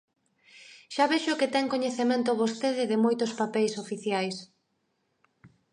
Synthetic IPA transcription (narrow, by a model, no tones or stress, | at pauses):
ʃaβeʃʊkɪt̪ɛŋkoɲeθemẽnt̪ʊβost̪eðɪðɪmojt̪ʊspapɛjsofiθjajs